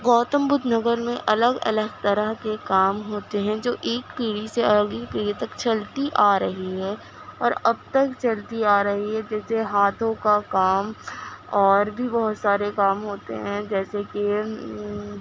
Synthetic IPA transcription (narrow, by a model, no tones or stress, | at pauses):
ɡɔːt̪əmbʊd̪ʱnɐɡəɾmẽʔɐləɡɐ̰ləɡt̪ɐɾəɦkekaːmɦoːt̪eɦɛ̃d͡ʒoːʔeːkpiːɽiseɐləɡipiːɽit̪ɐkt͡ʃɐlt̪iʔaːɾɐɦiɦɛː | ɔːɾɐb̚t̪ɐkt͡ʃɐlt̪iaːɾɐɦiɦɛd͡ʒɛːseɦaːt̪ʰõkakaːmɔːɾbʱibɐɦʊt̪saːɾekaːmɦoːt̪ḛɦɛ̃d͡ʒɛːseke